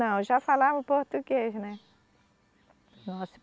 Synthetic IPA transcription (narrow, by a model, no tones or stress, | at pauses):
ɐ̃w̃ʒafalavɐpoɾt̪uɡeʒnɛ | nɔsʊ̥